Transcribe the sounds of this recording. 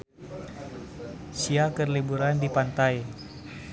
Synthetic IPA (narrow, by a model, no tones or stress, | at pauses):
siakərlibuɾandipant̪aj